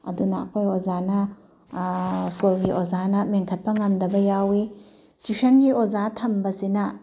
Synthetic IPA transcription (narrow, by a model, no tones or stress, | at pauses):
ɐ̰duna̰kʰojozanɐ | skulɡiʔozanɐmeŋkʰɐt̚pɐŋɐmdɐbɐjawi | t͡ʃiʃɐnɡiozatʰɐmbɐsinɐ